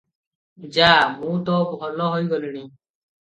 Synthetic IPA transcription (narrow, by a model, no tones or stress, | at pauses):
d͡ʒaːmũt̪ɔbʱɔlɔɦojɡɔliɽ̃i